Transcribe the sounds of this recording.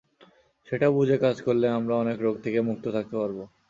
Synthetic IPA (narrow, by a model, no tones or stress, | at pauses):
ʃeʈabud͡ʑʱekad͡ʑkoɾleamɾaɔnekɾoɡ̚t̪ʰekemuk̚t̪ot̪ʰak̚t̪epaɾbo